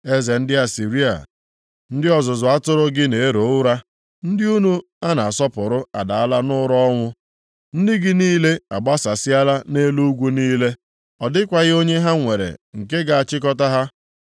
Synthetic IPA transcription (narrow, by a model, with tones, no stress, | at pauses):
e˦ze˨n̩˦dɪ˦a˨si˨ɾi˦a̰˨ | n̩˦dɪ˦ɔ˨zʊ˨zʊ˨a˦tʊ˦ɾʊ˦ɡɪ˦ne˨e˦ɾo˨˦ʊ˦ɾa˦ | n̩˦dɪ˦u˦nu˦ | a˦na˨a˨sɔ˦pʊ˨ɾʊ˦a̰˨da˨a˦la˦nʊ˦ɾɔ˦ŋʷʊ˦ | n̩˦dɪ˦ɡɪ˦niː˦le˦a˨ɡ͡ba˦sa˨sɪ˦a˦la˦ne˦lu˦ɡʷu˦niː˦le˦ | ɔ˨dɪ˦kʷa˨ɣɪ˦o˦ɲe˦ɦa˦ŋʷe˨ɾḛ˨ŋ̩˨ke˦ɡa˨a˨t͡ʃɪ˦k̬ɔ˦ta˦ɦa˦